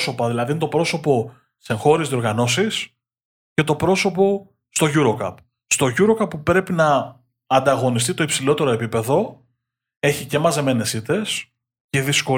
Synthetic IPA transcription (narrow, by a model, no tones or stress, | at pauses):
so̞pɐðilɐðint̪o̞pɾo̞so̞po̞ | seŋxo̞ɾizðio̞ɾɣɐno̞sis | ce̞t̪o̞pɾo̞so̞po̞ | st̪o̞ʝuɾo̞kɐ̰p | st̪o̞ʝuɾo̞kɐpːupɾe̞pinɐː | nd̪ɐɣo̞nist̪it̪o̞ipsilo̞t̪e̞ɾo̞e̞pipe̞ðo̞ | e̞çice̞mɐze̞me̞ne̞sit̪e̞s | ce̞ðisko̞